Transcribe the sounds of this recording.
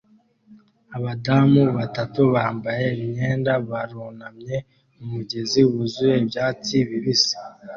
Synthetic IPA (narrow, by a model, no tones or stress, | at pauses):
aβadamuβatatuβaːmbaje̞βiɲeːndaβaɾoːnamɲe̞ | umuɟe̞ziwuzuje̞bjaːt͡siβiβisi̥